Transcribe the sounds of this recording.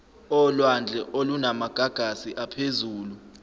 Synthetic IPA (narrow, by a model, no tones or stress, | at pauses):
ɔlwand͡ɮʱɛʔolunamaɡ̥ʱaɡ̥ʱasiʔapʰezuːlu